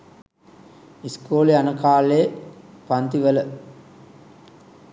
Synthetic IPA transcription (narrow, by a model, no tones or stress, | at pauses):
iskoːleanəkaːleːpant̪iʋələ